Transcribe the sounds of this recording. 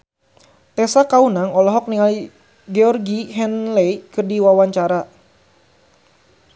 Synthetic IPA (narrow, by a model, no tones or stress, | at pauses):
t̪ɛsakaunaŋɔlɔɦɔk̚niŋali | ɡɛɔrɡiɦɛnlɛjkɨrdiwawaɲt͡ʃaɾa